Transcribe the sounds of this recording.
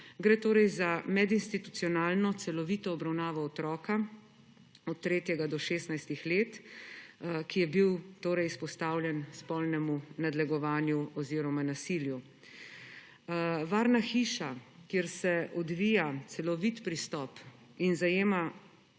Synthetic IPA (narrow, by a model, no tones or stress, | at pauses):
ɡɾeːt̪oːɾɛjzamɛd̪inst̪it̪ut̪siɔnaːlnɔt̪sɛlɔʋit̪ɔːbɾawnaːʋɔːt̪ɾɔːka | ɔt̪ːɾeːt̪jɛɡad̪ɔʃeːst̪najst̪ixleːt̪ | kijɛbiwt̪oːɾɛjspɔst̪aːwlʲjɛnspɔlnɛmunad̪lɛɡɔʋaːnjuɔziːɾɔmanasiːlju | ʋaːɾnaxiːʃakjeɾsɛʔɔd̪ʋiːjat̪sɛlɔʋit̪pɾist̪ɔp | inzajeːma